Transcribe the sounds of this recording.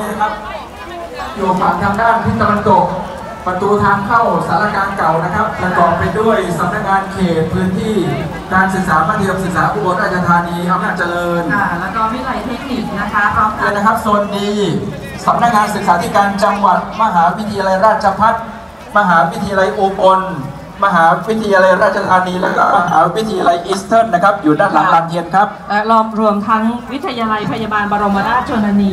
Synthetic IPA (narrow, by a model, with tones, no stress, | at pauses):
a˦˥kʰa˦˥p̚ | ju˨˩fa˨˩ŋt̪ʰaː˧ŋdaː˥˩npʰɯ˥˩t̪a˧wa˧nt̪o˨˩k̚ | pa˨˧t̪uː˧t̪ʰaː˧ŋkʰa˥˩wsa˨˩˦laː˦˥˩kaː˧nka˨˩wna˦˥kʰa˦˥p̚ːsa˧kɔː˨˩p̚pːa˧jdu˥˩əjsa˨˦p̚na˦˥k̚ŋaː˧nkʰeː˨˩t̪̚pʰːɯː˦˥nt̪ʰiː˥˩ | kaː˧nsɯ˨˩k̚saː˩˦maː˧˩t̪ʰi˧əmsɯ˨˩k̚saː˩˦˥pʰuː˧bo˨˩˦k̚ɾaː˥˩t͡ɕʰa˧t̪ʰaː˧niː˧ʔa˧wnaː˥˩t͡ɕa˧lɤː˧nʰ˥˩lɛ˦˥wkɔː˥˩mi˧˥˩la˨˧˩jt̪ʰi˦˥ni˨˩k̚na˦˥kʰa˦˥a˦˥a˧na˦˥kʰa˦˥p̚su˨˩ə˩nːiː˧ | sa˩˦mna˦˥k̚ŋaː˧nsɯ˨˩k̚saː˩˦t̪ʰiː˦˥˩kaː˧nt͡ɕa˧ŋwa˨˩t̪̚ma˧ɦaː˩˦wi˦˥t̪ʰa˧ja˧la˧jɾaː˥˩t̪̚t͡ɕʰa˧pʰa˦˥˩t̪̚ | ma˧ɦaː˩˦wi˦˥t̪ʰa˧a˧la˧jʔuː˧po˧n | ma˧ɦaː˩˦wi˦˥t̪ʰːa˧ja˧la˧jɾaː˥˩t̪̚t͡ɕʰa˧t̪ʰaː˧niː˧lɛ̰ː˦˥kɔ̰ː˥˩ma˧ɦaː˩˦wi˦˥t̪ʰːi˧ja˧la˧jʔi˦˥st̪ʰɤː˥˩nːa˦˥kʰa˦˥p̚juː˨˩daː˥˩nla˨˦laː˧ni˧ənkʰɾa˦˥p̚lɛ˦˥ɾɔː˧˩mɾu˧əmt̪ʰa˦˥ŋwi˦˥t̪ʰːa˧jaː˧la˧jpʰa˧jaː˧baː˧nbɔː˧ɾo˧mːba˧naː˥˩t͡ɕoː˧na˧niː˧